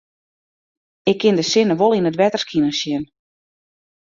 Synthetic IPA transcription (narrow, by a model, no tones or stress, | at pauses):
ɪkʰːɪndəsɪnəʋolˠinətʋɛtərskʰinənsɪn